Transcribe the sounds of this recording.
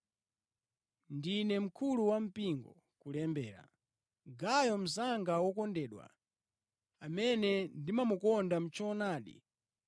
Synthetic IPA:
ndinɛm̩kʰuluwam̩piŋɡɔ̰ | kulɛmbɛːɾa̰ | ɡajɔm̩zaŋɡawɔkɔndɛːɗwa̰ | amɛnɛndimamukɔndam̩t͡ʃɔnaːɗḭ

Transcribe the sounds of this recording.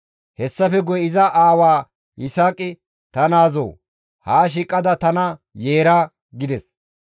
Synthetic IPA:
hɛsːɐfɛɡɔjɪzɐʔaːwaː | ɪsaːkʼɪ | t̪ɐnaːzo̰ː | haːʃ̬ɪkʼːɐd̪ɐt̪ɐnɐ | jeːɾaː | ɡɪd̪ɛs

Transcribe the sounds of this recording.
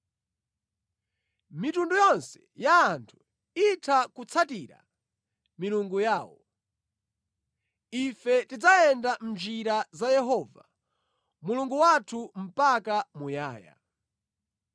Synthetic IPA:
mitundujɔnsɛ̥jaːntʰu̥ | itʰakut͡sʰatiɾa̰ | miluŋɡujaːwɔ̰ | ifɛtid͡zaɛndam̩d͡ʒiɾazajɛɦɔva̰ | muluŋɡuwatʰum̩pakamuja̰ːja̰

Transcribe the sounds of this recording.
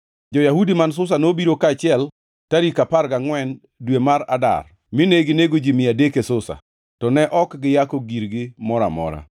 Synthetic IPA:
d͡ʒɔjahudimans̬ʊs̬anobiɾokaːt͡ʃɪɛl | taɾikapaɾɡaŋwɛn | dwemaɾada̰r | mɪneɡɪneɡod͡ʒimɪadekesʊsa̰ | tɔnɛʔɔkɡɪjakoɡiɾɡɪmɔɾa̰mɔ̰ɾa̰

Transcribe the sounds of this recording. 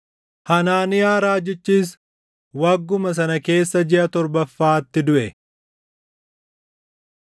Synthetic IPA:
hɐnaːnɪjaːɾaːd͡ʒɪt͡ʃːiːs̬ | waːɡːʊmɐs̬ɐnɐke̞ːsːɐd͡ʒɪʔɐt̪ɔɾbɐfːaːt̪ːɪd̪ʊʔɛ

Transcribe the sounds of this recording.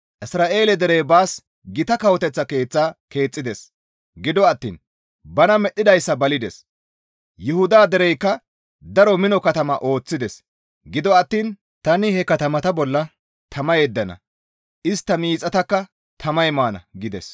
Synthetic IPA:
ʔɪsɾaːʔe̞ːlɛd̪ɛɾɛjbaːs | ɡɪt̪ɐkɐwɔt̪ɛt͡sːɐke̞ːt͡sːaːke̞ːt͡sʼːɪd̪ɛs | ɡɪd̪ɔɐt̪ːḭːn | bɐnɐmɛɗːɪd̪ɐjsːɐbɐlɪd̪ɛs | jʊhʊd̪aːd̪ɛɾɛjkːɐ | d̪ɐɾɔmɪnɔkɐt̪ɐmɐʔo̞ːt͡sːɪd̪ɛs | ɡɪd̪ɔɐt̪ːiːn | t̪ɐnɪhɛkɐt̪ɐmɐt̪ɐbɔlːɐ | t̪ʰɐmɐjeːd̪ːɐnɐ̰ | ʔɪst̪ːɐmiːt͡sʼɐt̪ɐkːɐ | t̪ʰɐmɐjmaːnɐ̰ɡɪd̪ɛs

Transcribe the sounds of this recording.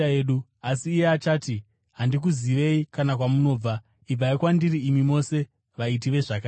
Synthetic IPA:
eɗuasiːje̞at͡ʃaːti | ɦandik̬uziʋe̞ikanakwamuno̞ːb͡va | ib͡vaikwandiriːmimo̞se̞ | ʋait̬iʋe̞ʐakaː

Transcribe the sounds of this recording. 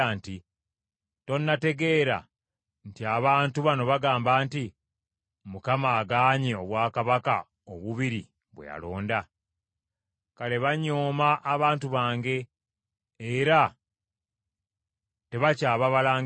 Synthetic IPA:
anti | to̞nːate̞ɡe̞ːɾa̰ | ntiaβaːntuβano̞βaɡaːmbaːnti | mukamaːɡaːɲeo̞βwaːkaβaka | oβuβiɾi | βwḛja̰lo̞ːnda | kale̞βaɲoːmaʔːβaːntuβaːŋɡe̞ː | ɾa | te̞βacaːβaβalaːŋ

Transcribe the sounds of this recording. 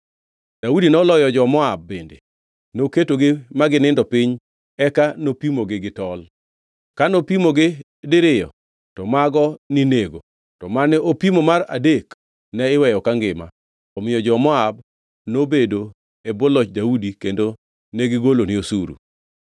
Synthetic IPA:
d̥audinɔlɔjɔd͡ʒɔmɔab̚ːendḛ | noketoɡɪmaɡɪnɪndɔpɪɲ | ɛkanopimoɡɪɡɪtɔl | kanopimoɡɪ | dɪɾɪjɔ̰ | tɔmaɡɔnɪneɡo | tɔmanɛopimomara̰dek | nɛɪwɛjɔkaŋɡɪma̰ | ɔmɪjɔd͡ʒɔmɔab | nobedo | ebolɔt͡ʃdaudikendo | nɛɡɪɡolonɪosuɾṵ

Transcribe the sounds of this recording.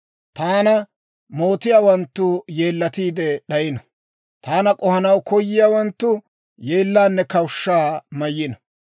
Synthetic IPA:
t̪aːnɐ | mo̞ːt̪ɪjaːwɐnt̪ːʊje̞ːlːɐt̪iːd̪ɛɗɐjɪnɔ | t̪aːnɐkʼɔhɐnɐwkɔjːɪjaːwɐnt̪ːʊ | je̞ːlːaːnːɛkɐwʃːaːmɐjːɪnɔ

